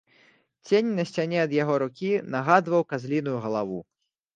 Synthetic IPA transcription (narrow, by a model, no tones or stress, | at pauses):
t͡sʲenʲnɐsʲt͡sʲanʲɛɐd̪jaɣɔɾukʲinɐɣad̪vɐwkazʲlʲin̪ujuɣɐlˠavu